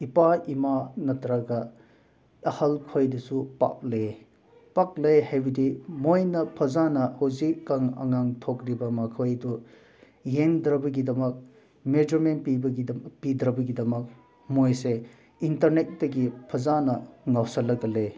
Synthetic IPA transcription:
ipaimanɐtʰɐɾaɡɐ | ɐhɐlkʰojdɐsupa̰k̚le | pak̚lejhajbidimojnɐpʰɐzanɐhozikːɐŋɐ̰ŋaŋtʰokɾibɐmɐkʰojdu | jeŋdɾɐbɐɡidɐmɐk̚ | med͡ʒɐɾment̚pibɐɡipidɾɐbɐɡidɐmɐk̚ | mojse | intɐɾnet̚dɐɡipʰɐzanɐŋawsɐlɐɡɐle

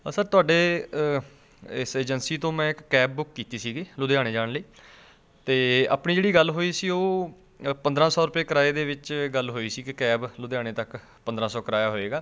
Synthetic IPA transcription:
səɾt̪ʊaːɖeː | ɪseːd͡ʒənsiːt̪õːmɛ̃ːɪkːɛːb̚bʊkːiːt̪iːsiːɡiːlʊd̪eːaːɽeːd͡ʒaːɽliː | t̪eːa̰ːpɳiːd͡ʒeːɽiːɡəlɦoːiːsiːoː | pənd̪ɾãːsɔːɾʊpeːkəɾaːeːd̪eːʋɪt͡ʃɡəlɦoːiːsiːkɪkɛːblʊd̪eaːɽ̃eːt̪ək | pənd̪ɾãːsɔːkəɾaːjaːɦoːeːɡaː

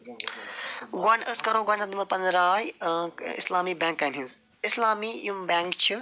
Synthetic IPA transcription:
ɡwɐnəskɐɾoːɡɐnɐd̪imɐpɐnɾaːjḭslaːmiːbãːŋkːɐnɦĩz | ɪslaːmiːjumbaːŋkt͡ʃʰi

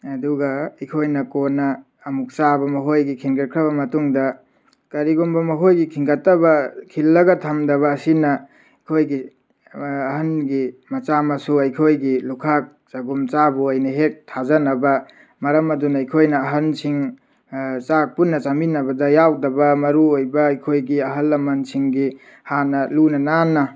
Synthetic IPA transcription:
ɐduɡɐɐjkʰojnɐkonɐː | muk̚t͡ʃabɐmɐɦojɡikʰiŋɡɐt̚kʰɾɐβɐmɐtuŋdɐ | kɐɾiɡombɐmɐɦojɡikʰiŋɡɐtːɐbɐkʰilːɐɡɐtʰɐmdɐβɐːsinɐ | kʰojɡiː | hɐnɡimɐt͡ʃamɐsuɐjkʰojɡilukʰak̚ | sɐɡumt͡ʃabuajnɐɦek̚tʰazɐnɐbɐ | mɐɾɐmɐdunɐːjkʰojnɐːɦɐnsiŋ | t͡ʃak̚punːɐt͡ʃaminɐbɐdɐjawdɐbɐmɐɾuojbɐːjkʰojɡiɐɦɐlːɐmɐnsiŋɡi | hanɐlunɐnanːɐ

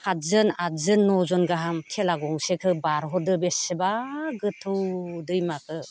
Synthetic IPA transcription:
kʰazɯnazɯnːɔzɔnɡaɦamtʰelaɡɔŋsekʰɯbaɾɦɔdɯbesɯbaɡɯtʰɯdɯjmakʰɯ

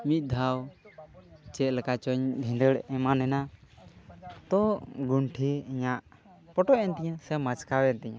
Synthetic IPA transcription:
mit̪̚ˀd̪ʱaw | t͡ʃɛt̪̚lɛkat͡ʃɔɲbʱɛ̃nd̪əɽɛmanɛna | t̪ɔɡuɳʈʰiəɲaʔ | pɔʈɔʔɛnt̪ɛɲasɛmat͡ʃkawɛnt̪ɛɲã

